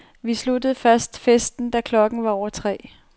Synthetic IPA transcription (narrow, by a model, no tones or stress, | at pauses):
ʋislud̥əð̩ˠfæsd̥fesd̥n̩d̥ækʰlɒ̽ɡ̥n̩ʋɑɒʊɐt͡sʰʁɛ̰ː